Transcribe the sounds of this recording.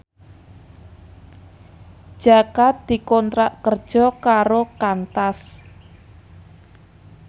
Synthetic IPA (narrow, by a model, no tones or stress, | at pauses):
ʒ̥a̤kat̪̚d̪̥i̤kɔnt̪ɾaʔkərd̥ʒ̥ɔ̤kaɾokant̪as